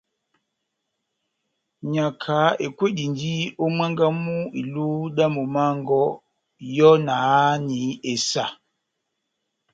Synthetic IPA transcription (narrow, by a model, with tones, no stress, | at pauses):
ɲa˨kʰa˨˦e˨kwe˦di˨ndi˦o˦mɛ˦ŋɡa˦mu˦i˨lu˦da˦mu˨ma˦ŋ˦ɡɔ˦ | jɔ˦na˨˦ni˨˦e˨sa˨